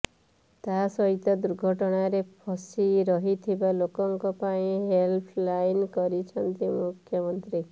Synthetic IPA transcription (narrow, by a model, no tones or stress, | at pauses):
t̪asɔɦit̪ɔd̪uɾɡʱɔʈɔɽ̃aɾepʰɔsiɾɔɦit̪ʰibalokɔŋkɔpaĩɦelpʰlajnkɔɾit͡ʃʰɔnt̪imukʰjɔmɔnt̪ɾi